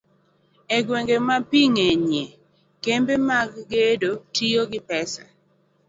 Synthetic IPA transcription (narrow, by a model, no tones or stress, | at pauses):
eɡweŋɡemapiŋeɲe | kembemaɡɡedotioɡɪpɛsa̰